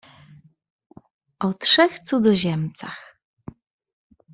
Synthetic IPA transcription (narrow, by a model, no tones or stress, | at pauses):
ʔɔtʂɛxt̪sud̪zɔʑɛmt̪sa̰x